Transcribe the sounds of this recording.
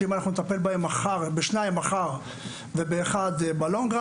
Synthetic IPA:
imanaχnunet̪ape̞lbaemaχaʁbeʃnajimaχaʁ | vebeːχad̪baloŋɡʁ

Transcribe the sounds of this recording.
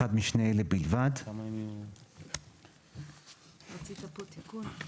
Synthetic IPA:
ad̪miʃneelebilvadamaemu | ʁat͡sit̪apot̪ikun

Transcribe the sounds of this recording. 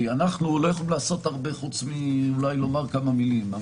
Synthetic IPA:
ianaχnulojaχoimlaːso̞t̪aʁbe̞χut͡smiulajlo̞maʁkamamilima

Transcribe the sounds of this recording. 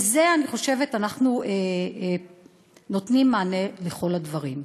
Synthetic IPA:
zeaniχo̞ʃe̞ve̞tanaχnue | no̞tnimːaːne̞leχo̞ladvaʁim

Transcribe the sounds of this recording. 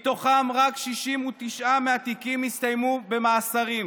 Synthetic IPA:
t̪o̞χamʁakʃiʃimut̪iʃʔameat̪ikimist̪ajmube̞maːsaʁim

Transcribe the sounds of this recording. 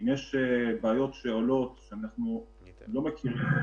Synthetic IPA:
imjeʃebaːjo̞tʃeolo̞tʃeanaχnu | lo̞mekiʁim

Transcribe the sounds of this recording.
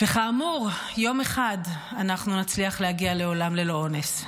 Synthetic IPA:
veχaːmuʁjo̞me̞χad | anaχnunat͡sliaχlehaɡiale̞o̞lamle̞loones

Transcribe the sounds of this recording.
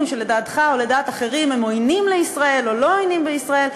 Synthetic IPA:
mʃe̞ledaːt̪χaole̞daːtaχe̞ʁimhemo̞jnimleisʁae̞lolo̞ojnimbeisʁae̞l

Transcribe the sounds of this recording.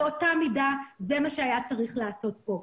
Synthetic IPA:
o̞tamidaze̞maʃeajat͡saʁiχlaːso̞t̚bo̞

